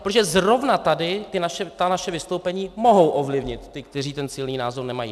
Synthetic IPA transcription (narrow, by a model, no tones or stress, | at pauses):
pɾot̪oʒɛzro̞vnat̪adɪt̪ɪnaʃɛt̪anaʃɛvɪst̪owpɛɲiːmo̞ɦo̞wʔovlɪvɲɪt̪ːɪk̚t̪ɛr̝iːt̪ɛnsɪlniːnaːzornɛmajḭː